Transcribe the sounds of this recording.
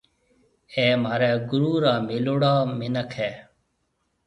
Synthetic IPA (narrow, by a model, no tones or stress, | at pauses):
eːmaːɾeːɡʊɾuːɾaːmɪloːɽaːmɪnəkʰeː